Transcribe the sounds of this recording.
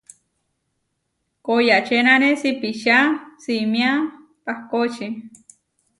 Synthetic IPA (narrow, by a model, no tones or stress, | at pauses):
kojat͡ʃenanesipiʃasimia | pahkot͡ʃi